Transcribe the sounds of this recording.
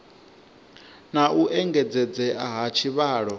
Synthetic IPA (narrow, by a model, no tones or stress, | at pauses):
naʔuʔɛŋɡɛd͡zɛd͡zɛʔaɦat͡ʃʰiβaːɺɔ